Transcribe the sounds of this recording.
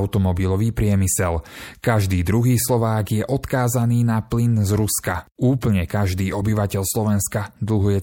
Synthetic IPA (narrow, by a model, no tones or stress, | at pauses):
ʊt̪ɔmɔbilɔʋiːpɾɪɛmisɛlkaʒd̪iːd̪ɾuɦiːslɔʋaːɡjɛʔɔt̪kaːzaniːnaplinzɾuskauːpl̩ɲɛkaʒd̪iːʔɔbiʋacɛʎslɔʋɛnskad̪l̩ɦujɛ